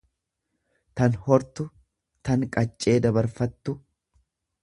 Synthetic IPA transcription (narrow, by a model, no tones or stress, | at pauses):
t̪ɐnhɔɾt̪ʊ | t̪ɐŋkʼɐt͡ʃʼːe̞ːd̪ɐbɐɾfɐt̪ːʊ